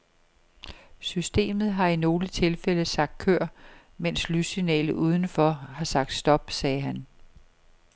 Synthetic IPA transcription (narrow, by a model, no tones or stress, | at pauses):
sysd̥e̝̰ːmð̞̩ˠɦɑ̈ino̝ːlət͡sʰe̝lfeləsɑ̈ɡ̥̚d̥̚kʰøɐ̰ | men̰slysinɛ̰ːlð̩ʔuːð̞ˠn̩fɒ̽hɑ̈sɑ̈ɡ̥d̥sd̥ɒ̽b̥sɛːɦæn